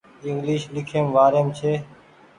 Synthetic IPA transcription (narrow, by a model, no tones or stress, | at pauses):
ɪŋɡliːʃlɪkʰeːmʋaːɾeːmt͡ʃʰeː